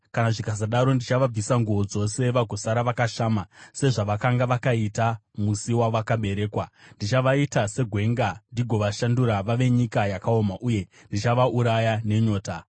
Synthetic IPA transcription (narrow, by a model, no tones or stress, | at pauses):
kanaʐikazaɗaɾo̞ndit͡ʃaʋab͡visaŋɡuʋo̞d͡zo̞se̞ʋaɡʱo̞saɾaʋakaʃaːmase̞ʐaʋakaŋɡaʋakaita | musiwaʋakaɓe̞ɾe̞ːkwandit͡ʃaʋaitase̞ɡʱwe̞ŋɡandiɡʱo̞ʋaʃanduɾaʋaʋe̞ɲikajakao̞maʔuje̞ | ndit͡ʃaʋaʔuɾajane̞ɲo̞ːta